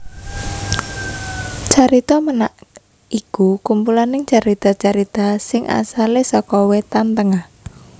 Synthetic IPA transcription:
t͡ʃaɾit̪ɔmənaʔ | ikukumpulanɪŋt͡ʃaɾit̪ɔt͡ʃaɾit̪asɪŋʔa̰salesɔkɔwet̪ant̪əŋah

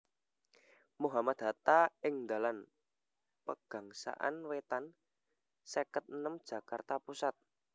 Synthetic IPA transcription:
muɦamad̪̥ɦat̪aɪŋnd̪a̤lan | pəɡ̥a̤ŋsa̰ʔa̰nwet̪an | səkət̪̚nəmd̥ʒ̥ä̤kart̪apusat̪̚

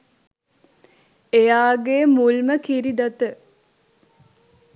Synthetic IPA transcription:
ejaːɡeːmulməkiɾid̪at̪ə

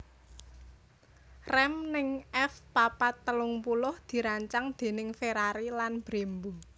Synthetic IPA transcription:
rɛmnɪŋʔɛfpapat̪ːəlʊŋpulʊhd̪̥i̤ɾaɲt͡ʃaŋd̪̥e̤nɪŋfeɾaɾilanb̥ɾembu

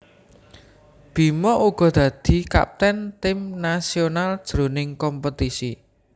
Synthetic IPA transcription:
b̥i̤mɔʔuɡ̥ɔ̤d̪̥ä̤d̪̥i̤ka̰p̚t̪ɛnt̪ɪmnasionald̥ʒ̥ɾo̤nɪŋkɔmput̪isi

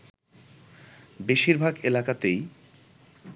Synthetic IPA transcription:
beʃiɾbʱaɡelakat̪ej

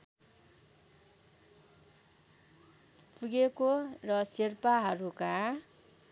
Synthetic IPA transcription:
puɡekorʌsirpaɦʌɾuka

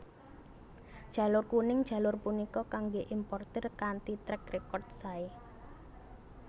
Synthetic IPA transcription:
dʒ̥a̤lʊrkunɪŋd̥ʒ̥ä̤lʊrpunikɔkaŋɡeʔimpɔrt̪ɪrkant̪it̪ɾɛk̚rekɔrt̪̚sae

